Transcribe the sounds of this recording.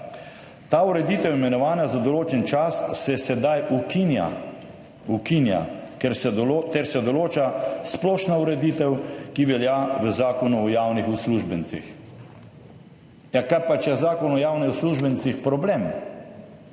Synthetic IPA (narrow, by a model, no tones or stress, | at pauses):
t̪auɾɛd̪iːt̪ɛwimɛnɔʋaːnazad̪ɔloːt͡ʃɛnt͡ʃasːɛsɛd̪ajʔukinja̰ | ukinja̰kɛɾsɛɔot̪ɛɾsɛd̪ɔloːt͡ʃasplɔːʃnauɾɛd̪it̪ɛwkiʋɛljaʋəzaːkɔnuɔjawnixusluʒbənt͡s̪ḭx | jakaɾpat͡ʃjɛzaːkɔnɔjawnɛusluʒbənt̪t͡ssixpɾɔblem